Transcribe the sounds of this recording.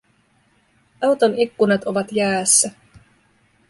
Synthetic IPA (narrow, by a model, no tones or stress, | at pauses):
ɑwt̪onikːunɑt̪o̞ʋɑt̪jæːsːæ